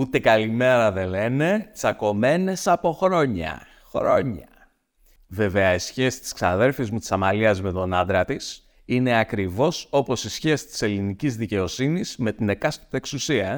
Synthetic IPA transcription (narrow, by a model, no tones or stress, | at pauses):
ut̪e̞kɐlime̞ɾɐðe̞le̞ne̞t͡sɐko̞me̞ne̞sɐpo̞xɾo̞ɲɐ̰ | xɾo̞̰ɲɐ | ve̞ve̞ɐisçe̞si̥t̪i̥sksɐnɐðe̞ɾfizmut̪i̥sɐmɐliɐzme̞t̪o̞nɐnd̪ɾɐt̪is | ine̞ɐkɾivo̞so̞po̞sisçe̞si̥t̪i̥se̞linicizðice̞o̞siniz̥me̞t̪ine̞kɐst̪o̥t̪e̞ksusiɐ